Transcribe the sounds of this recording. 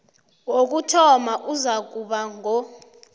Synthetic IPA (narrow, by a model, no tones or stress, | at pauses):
wok̬utʰɔmaʔuzak̬ʼuɓaŋʱɔ